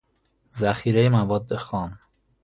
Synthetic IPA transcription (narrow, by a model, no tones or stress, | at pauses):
zæxiːɾejemævɒːd̪ːe̞xɒːm